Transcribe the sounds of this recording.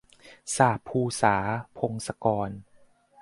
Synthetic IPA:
saː˨˩pʰːuː˧saː˩˦pʰo˧ŋsa˧kɔː˧n

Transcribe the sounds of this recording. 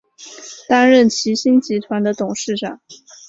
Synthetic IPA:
t̪a˥nɻə˥˩nt͡ɕʰi˧˥ɕi˥nt͡ɕi˧˥t̪ʰwa˧˥nd̪ə˧t̪ʊ˨˩ŋʂɻ̩˥˩ʈ͡ʂɑ˨˩˦ŋ

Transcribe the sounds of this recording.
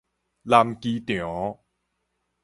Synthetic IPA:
laː˧mkiː˧t̪y˨ɔ˨˦

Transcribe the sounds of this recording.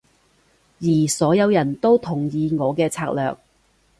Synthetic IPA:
jiː˨˩sɔː˨˥jɐ˨˧wjɐ˨˩nt̪o˥wt̪ʰʊ˨˩ŋjiː˨˧ŋɔː˨˧kɛː˧t͡sʰaː˧k̚lœː˨k̚

